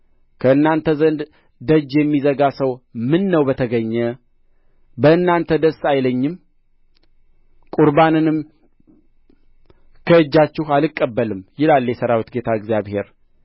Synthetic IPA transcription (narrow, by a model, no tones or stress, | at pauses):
kʰəɨnːant̪ʰəzənd̪ | d̪əd͡ʒːjɛmːizəɡasəwmɨnːəwbət̪ʰəɡəɲːə | bəɨnːant̪ʰəd̪əsːajləɲːɪm | kʼuɾbanɨnɨm | kʰəɨd͡ʒːat͡ʃːɪhalɨkʼːəbːəlɨmjɪlalːjɛsəɾawit̪ɡe̞t̪ʰaɨɡzjaβhe̞ɾ